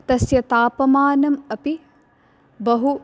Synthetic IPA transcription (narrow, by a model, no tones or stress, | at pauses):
t̪ɐsjɐt̪aːpɐmaːnɐmɐpi | bɐɦu